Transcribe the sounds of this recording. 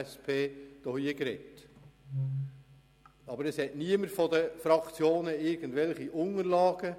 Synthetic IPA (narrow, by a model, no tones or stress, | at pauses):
spʰeːd̥ɔhiəkɾɛt | ɑbəɾɛshɛtniəməɾfɔdəfɾɑkt͡sjoːnəɪrɡ̥ən̩dvɛlχiʔʊŋəɾlɑːɡ̥ə